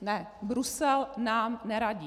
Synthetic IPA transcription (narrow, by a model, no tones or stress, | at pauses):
nɛbɾusɛlnaːmnɛɾaɟiː